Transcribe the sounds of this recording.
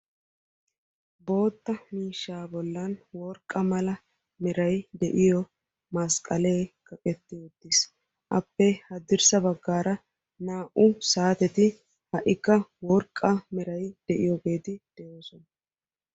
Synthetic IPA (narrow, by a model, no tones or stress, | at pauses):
bo̞ːt̪ːɐmiːʃːaːbɔlːɐnwɔɾkʼːɐmɐlɐ | mɛɾɐjd̪ɛʔɪjɔ | mɐskʼɐleːkɐkʼɛt̪ːɪɔd̪ːɪs | ʔɐ̰pːɛhɐd̪ɪɾsɐbɐɡːaːɾɐ | naːʔʊsaːt̪ɛt̪ɪ | hɐʔɪkːɐwɔɾkʼːɐmɛɾɐjd̪̥ɛʔɪjɔɡe̞ːt̪ɪd̪̥ɛjoːsɔnɐ